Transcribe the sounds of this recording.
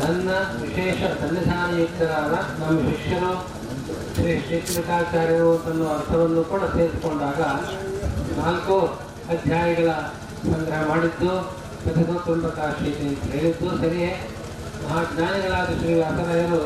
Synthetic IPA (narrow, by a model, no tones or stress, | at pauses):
nɐnːɐʋiʃɛːʂɐd̪ʱɐnːɐd͡ʒaːɾɐit̪ːɐɾaːd̪ɐnɐmːɐʃikʂɐɾu | ʃɾiʂiːtɾɐk̪aːt͡ʃaːɾjɐɾuɐnt̪ɐnːɐɐɾt̪ʰɐʋɐnːukuːɽɐt̪eːɾsu̥koɳɖaːɡɐ | naːlku | ɐd̪ʱjaːjɐɡɐɭɐ | sɐŋɡɐɾɐɦɐmaːɽid̪ːu | pɐt̪ʰid̪ut̪umpɐkaːʃiːt̪ieːlid̪ːusɐɾie | mɐɦaːɡɲaːnɐɡɐɭaːd̪uʃɾiːʋaːsɐɾɐjɐɾu